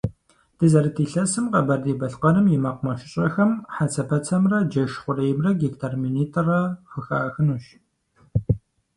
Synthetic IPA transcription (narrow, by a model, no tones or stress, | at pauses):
d̥ɨzɐɾɨtʰiːɬɐsɨmqɐbɐrdeːbɐɬqɐnɨmjɪmɐqʊmɐʃɪɕʼɐxɐmħat͡sʰɐpʰɐt͡sʰɐmrɐd͡ʒɐʃχʷʊreːjmrɐɡiktʰaːrminiːtʰʼɨrɐfɨxaːxɨnuʃ